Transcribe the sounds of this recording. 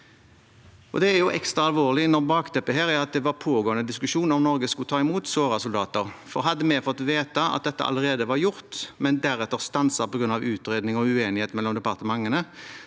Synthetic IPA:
ʔɔd̪ɛæɾjʊʔɛ̰kst̪ɾɑɑlʋoːʁlɪnɔʁbɑːkt̪ʰɛpːəɦeːɾæɾɑt̪̚d̪ɛʋɑɾpʰoːɡoːənəd̪ɪskʉʂuːnɔmnɔʁɡəskʊt̪ʰɑːɪmuːt̪soːʁɑsʊld̪ɑːt̪əɾfɔɾɦɑd̪ːəmɛfɔt̪ːʋeːt̪ɑɑ̰t̪̚d̪ɛt̪ːə̰ʔɑ̰ləʁeːd̪əʋɑɾjʊʁt̪mɛnd̪æɾɛt̪ːəʁst̪ɑnsɑpɔɡɾʉnɑʋʉːt̪ɾeːd̪nɪŋɔʉeːnɪheːt̪mɛlːɔmd̪ɛpɑʁt̪əmɑŋːənə

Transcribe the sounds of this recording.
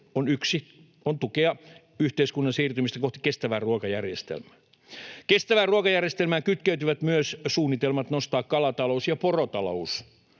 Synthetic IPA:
onyksi | ont̪ukeɑ | yht̪eiskunːɑnsiːrt̪ymist̪ækoht̪i̥kest̪æʋæːruokɑjærjest̪ḛlmæː | kest̪æʋæːruokɑjærjest̪elmæːkyt̪kæyt̪yʋæt̪myøssuːnːit̪elmɑt̪nost̪ɑːkkɑlɑt̪ɑlousjɑporot̪ɑlo̰us

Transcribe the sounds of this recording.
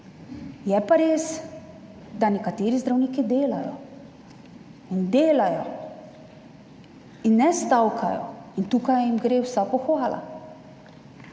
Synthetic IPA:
jɛpaɾeːs | d̪anɛkat̪eːɾizd̪ɾawniːkid̪eːla̰jɔ̰ | ind̪eːlajɔ | inːɛst̪awkʰajɔ̰int̪uːkajimɡɾeːwsapɔxʋaːla̰

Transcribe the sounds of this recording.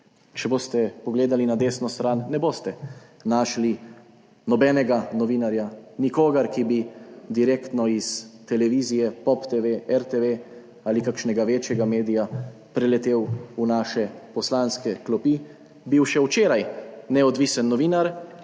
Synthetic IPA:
t͡ʃɛboːst̪ɛpɔɡleːd̪alinad̪eːsnɔst̪ɾaːnːɛboːst̪ɛ | naːʃli | nɔbɛnɛɡanɔʋinaɾjanikoːɡɛɾkibid̪iɾekt̪nɔist̪ɛlɛʋiːzijɛpɔpt̪eʋeɛɾt̪eʋe | aːlikakʃnɛɡaʋeːt͡ʃjɛɡameːd̪ija | pɾɛlɛt̪eːwunaʃɛpɔslanskɛklɔpi | biwʃɛwt͡ʃeːɾajnɛɔd̪ʋiːsɛnːɔʋiːnaɾ

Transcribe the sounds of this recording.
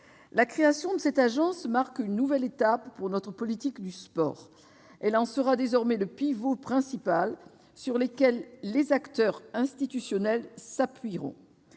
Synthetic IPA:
lakχeasjɔ̃d̪əsɛt̪aʒɑ̃smaʁkynːuvɛlet̪apːuʁnɔt̪χəpɔlit̪ikd̪yspɔ̰ːʁ | ɛlɑ̃səʁad̪ezɔʁmɛləpivopχɛ̃sipal | syʁlekʲɛlːezakt̪œʁɛ̃st̪it̪ysjɔnɛlsapɥiʁɔ̰̃

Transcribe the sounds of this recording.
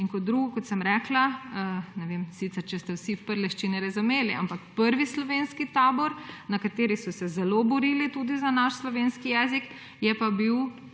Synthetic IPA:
iŋkɔt̪̚d̪ɾuːɡɔkɔt̪sɛmɾɛkla | nɛʋemsit̪sɛɾt͡ʃɛst̪ɛwsiwpəɾlɛʃt͡ʃinɛɾazumeːliʔa̰mpakpəɾʋislɔʋenskit̪aːbɔɾnakat̪eːɾisɔsɛzɛlobɔɾiːlit̪ud̪izanaʃslɔʋeːnskijɛːzik | jɛpabiw

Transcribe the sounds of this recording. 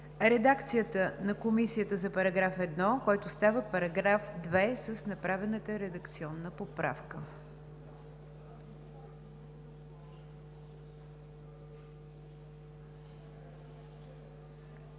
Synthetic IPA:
ɾɛd̪akt̪sijət̪ənɐkomisiət̪əzɐpɐɾɐɡɾafɛd̪nɔkɔjt̪ʊst̪avəpɐɾɐɡɾafd̪vɛsəsnɐpɾavɛnət̪əɾɛd̪əkt̪siɔnːəpopɾa̰fkə

